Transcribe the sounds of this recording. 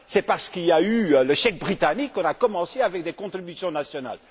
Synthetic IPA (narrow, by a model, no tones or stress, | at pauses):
sɛpaʁsə̥kiljayləʃɛk̚bʁit̪anikːɔ̃nakɔmɑ̃seavɛk̚d̪ekɔ̃t̪χibysjɔ̃nasjɔna̰l